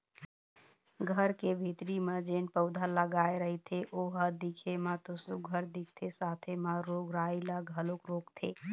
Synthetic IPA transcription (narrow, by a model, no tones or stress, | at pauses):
ɡʱəɾkebʱit̪ɾimed͡ʒenpəʊd̪ʱaləɡaeɾəɦit̪ʰeʔoɦəd̪ikʰemat̪osuɡʱəɾd̪ikʰt̪ʰesat̪ʰemaɾoɡɾailaɡʱəlokɾoːkt̪ʰe